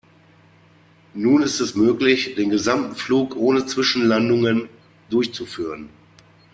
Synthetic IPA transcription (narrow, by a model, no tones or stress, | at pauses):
nuːnɪstɛsmøːklɪçd̥eːnɡəzamtn̩fluːkʔoːnət͡sv̥ɪʃn̩landʊŋən | dʊɐçt͡sufyːʁ̞ən